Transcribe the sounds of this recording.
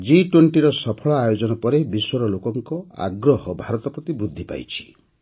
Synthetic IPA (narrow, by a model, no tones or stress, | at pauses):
d͡ʒiʈweɳʈiɾɔsɔpʰɔɭɔajod͡ʒɔnɔpɔɾebiswɔɾɔlokɔŋkɔa̰ɡɾɔhɔbʱaɾɔt̪ɔpɾɔt̪ibɾud̪ʱːipa̰jt͡ʃʰi̥